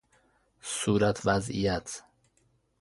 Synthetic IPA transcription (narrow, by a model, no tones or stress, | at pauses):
suːɾat̪ʰvæzḭjæt̪ʰ